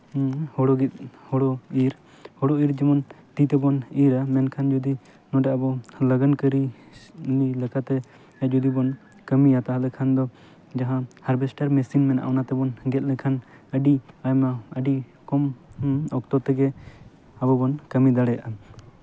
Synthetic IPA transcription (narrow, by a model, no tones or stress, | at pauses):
hɔɽɔɡit̪̚hɔɽɔiɾ | hɔɽɔiɾd͡ʒimɔnt̪it̪ɛbɔniɾamɛnkʰand͡ʒɔd̪i | nɔɖɛabɔləɡankəɾi | nilɛkat̪ɛ | ɛt̪̚d͡ʒɔd̪ibɔn | kəmijat̪aɦalɛkʰand̪ɔ | d͡ʒaɦãhaɾbɛsʈaɾmɛsinmɛnaʔɔnat̪ɛbɔnɡɛt̪̚ˀlɛkʰanəɖiajmaəɖi | kɔmɔk̚t̪ɔt̪ɛɡɛ | abɔbɔnkəmid̪aɽɛjaʔa